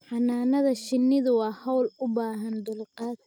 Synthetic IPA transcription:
ħɑnaːnɐðɐʃɪnːɪðʊwɑːhɔwlʊbaːɦɐnd̪ʊlqɑːd̪

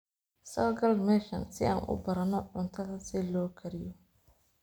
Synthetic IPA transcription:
sɔːɡɐlmɛːʃɐnsɪʔa̰ːnʔʊ̰bɐɾɐnɔʕʊnt̪ʰɐðɐsɪlɔːkʰɐɾɪjɔ

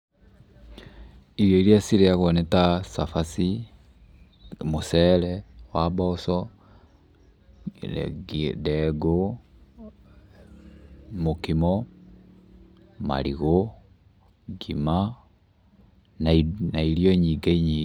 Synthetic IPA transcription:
iɾjɔiɾiasiɾeaɣɔnɛtasafasi | mosɛɾɛwabɔsɔ | dɛɡo | mokimɔ | ma̰ɾiɣo | ɡima | nnaiɾjɔɲiɡaiɲi

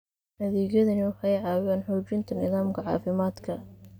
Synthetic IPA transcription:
nɐðiːɣjɐðɐnɪʊħɑjʕɑːwaːnħɔːt͡ʃɪnt̪ʰɐnɪðaːmkʰɐʕɑ̰ːfɪmaːd̪kʰɐ

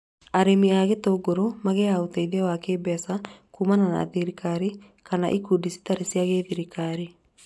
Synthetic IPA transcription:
aɾemiaɣetoɡoɾomaɣeaoteiðwakeːbɛsakumanana̰ðiɾikʰaɾi | kana̰ʔikudisi̥taɾesiaɣeðiɾikaɾi

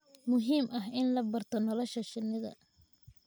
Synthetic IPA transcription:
mʊɦiːmɐɦɪnlɐbɐrt̪ʰɔnɔlɔʃɐʃɪnɪðɐ̰

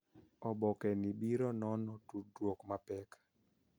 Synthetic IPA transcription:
ɔbɔkɛnibiɾɔnɔnɔtudwokmapɛk

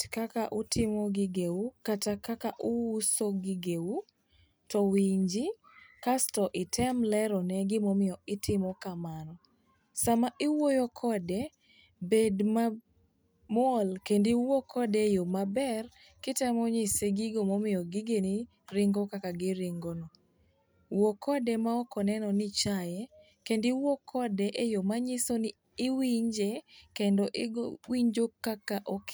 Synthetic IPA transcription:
kakaʔutʰɪmɔɡɪɡeukatakakaʔuwusoɡɪɡeu | tɔwiɲd͡ʒɪ | kastɔʔɪtʰɛmlɛɾɔnɛɡɪmomɪjɔɪtɪmɔkamanɔ | samaʔɪwojokʰɔdɛ | bedma | mɔlkendɪwɔkʰɔdɛjomabɛr | kɪtɛmɔɲɪseɡɪɡomɔmɪjɔɡɪɡeni | ɾɪŋɡɔkakaɡɪɾɪŋɡonɔ | wɔkʰɔdɛmaɔkɔnɛnɔnɪt͡ʃajɛ | kendɪwɔkʰɔdɛʔejomaɲɪsonɪ | ɪwiɲd͡ʒekendɔʔɪwiɲd͡ʒokːakaʔok

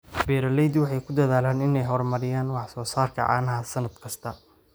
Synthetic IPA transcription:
bɛːɾɐlɛjd̪wɑħɑjkʰʊd̪ɐðaːlaːnɪnɛjɦɔrmɐɾɪjaːnwɑħsɔːsaːrkʰɐ̰ʕɑ̰ːnɐɦɐsɐnɐd̪kʰɐst̪ʰɐ

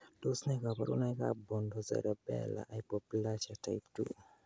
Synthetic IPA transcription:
dosnɛkapaɾṵnajka̰bɔndɔzɛ̰ɾɛbɛ̰la̰ʔajpɔplat͡ʃatajptṵ

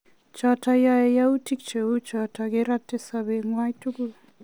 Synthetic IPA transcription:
t͡ʃatajaejautik̚t͡ʃeut͡ʃataɡeɾatːesabeŋwajtukul

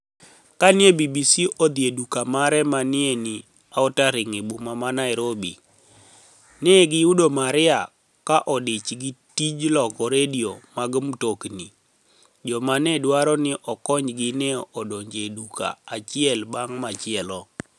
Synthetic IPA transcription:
kanɪebibisiʔɔd̪jedukamaɾɛmanɪenɪ | aɔtaɾɪŋibumamanaɪɾobi | neɡɪudomaɾɪa | kaʔɔdɪt͡ʃɡitid͡ʒlɔkɔɾediomaɡmtokni | d͡ʒɔmanɛdwaɾɔnɪʔɔkɔɲd͡ʒɡɪnɛɔʔɔdoɲd͡ʒeduka̰at͡ʃɪɛlbaŋmat͡ʃɪɛlɔ

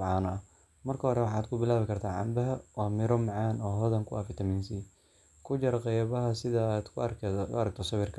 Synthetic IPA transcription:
ʕɑːnɐ | mɐrkʰɐɦɔɾɛwɑħɑːd̪kʰʊbɪlaːβɪkʰɐrt̪ʰaːʕɑ̰mbɐɦɐwɑːmɪɾɔmɑʕɑːnɔːɦɔðɐŋkʰʊafɪt̪ʰɐmɪnsi | kʰʊt͡ʃɐɾɐqɛjβɐɦɐsɪðɐːd̪kʰʊ̰ɐɾɐk̚t̪ʰɔsɐβɪrkʰɐ̥

